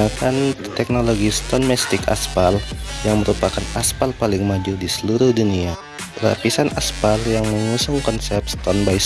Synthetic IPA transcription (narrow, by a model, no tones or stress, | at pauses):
akant̪ɛk̚noloɡist̪ɔnmɛst̪ɪka̰sfaljaŋməɾupakanaspalpalɪŋmaduldisəluɾʊhdunia | ra̰pisanaspaljaŋməɲusʊŋkɔnsɛp̚st̪ɔnbais